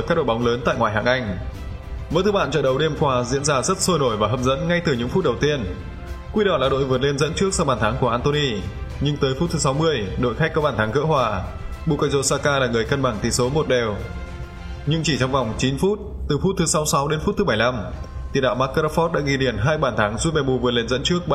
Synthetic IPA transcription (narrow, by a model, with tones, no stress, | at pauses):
kaː˦˥ɗo̰˧˨jɓa˨˦ŋ͡mləː˨˦nt̪a̰ː˧˨jŋwaː˨˩jɦaː˨˩ŋʔa˧jŋ̟ | və̰˨˧˦t̪ʰɨ˨˦ɓa̰ː˧˨t͡ɕɔ̰ː˧˨ɗə˨˦wɗe˧mkwaː˧zḭ˧˥ənzaː˧zə˦˥t̚so˧jno˧˩jvaː˨˩ɦə˨˧˩p̚zə̰˧˥nŋa˧jt̪ɨ˨˩ɲɨ̰˧˥ŋfu˦˥t̚ɗə˨˩wt̪i˧ən | kwi˧ɗɔ˨˩laː˨˩ɗo̰˧˨jvɨ˨˩ət̚le˧nzə̰˧˥nt͡ɕɨ˦˥ək̚sa˧wɓaː˨˩nt̪ʰaː˨˦ŋku˧˩əʔaː˧nt̪o˧ni˧ɲɨ˧ŋt̪əː˨˦jfu˦˥t̚t̪ʰɨ˨˦sa˨˦wmɨ˧əjɗo̰˧˨jxa˦˥k̚kɔ˨˦ɓaː˧˩nt̪ʰaː˨˦ŋkɨ̰ː˧˥hɦwaː˨˩ɓu˧˩ka˧zo˧saː˧kaː˧laː˨˩ŋɨ˨˩əjkə˧nɓa˧˩ŋt̪i˧˩so˨˦mo˨˩t̚ɗɛ˨˩w | ɲɨ˧ŋt͡ɕi˧˩t͡ɕɔ˧wŋ͡mva˨˩wŋ͡mt͡ɕi˨˦nfu˦˥t̚t̪ɨ˨˩fu˦˥t̚t̪ʰɨ˨˦sa˨˦wsa˨˦wɗe˨˦nfu˦˥t̚t̪ɨ˨˦ɓa˧˩jla˧m | t̪i˨˩˦nɗa̰ː˧˨wmaː˦˥kːə˧ɾa˦˥fɔ˦˥t̚ɗa̰ː˧˥ɣi˧˩ɗi˨˩ənɦaː˧jɓaː˧˩nt̪ʰaː˨˦ŋzu˧˥ve˨˩mu˧˩vɨ˨˩t̚le˧nzə̰˧˥nt͡ɕɨ˦˥ək̚